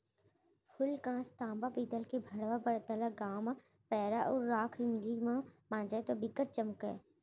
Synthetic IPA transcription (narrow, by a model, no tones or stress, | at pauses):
pʰʊlkãːst̪ãːmbapiːt̪əlkebʱɐɽʋapəɾt̪əlaɡaːma | pɛːɾaʔɔːɾːaːkʰimɪlimãmãːd͡ʒat̪obɪkəʈ̚t͡ʃəmkɛ̰ː